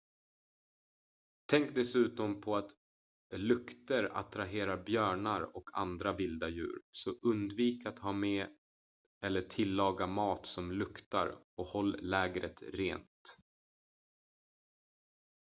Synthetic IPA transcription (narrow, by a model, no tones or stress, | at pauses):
t̪ʰɛŋk̚d̪ɛsʉ̟ːt̪ɔmpʰɔat̪ | lɵkt̪əɾa̰t̪ɾaɦeːɾaɾbjœːɳaɾɔkʰa̰nd̪ɾavɪld̪ajʉ̟̰ːɾsɔʔɵnd̪viːkat̪hɑːmeː | ɛlːəʈʰɪlːɑːɡamɑːt̪sɔmlɵkt̪a̰ɾɔkhɔlːlɛːɡɾə̰t̪ɾḛːnt̪